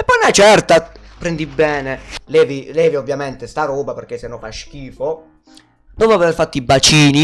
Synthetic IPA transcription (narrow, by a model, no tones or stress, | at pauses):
ɛpːɔjnat͡ʃɛrt̪apɾend̪ibːɛːnelɛːvilɛːviovːjamɛnt̪est̪aɾɔːbaperk̟ːesːenːɔfaʃk̟iːfo | d̪ɔpoaveverfat̪ːibat͡ʃiːni